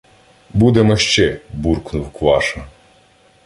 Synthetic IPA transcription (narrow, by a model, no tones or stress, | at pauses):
bud̪emɔʃt͡ʃɛburknʊwkʋɑʃɐ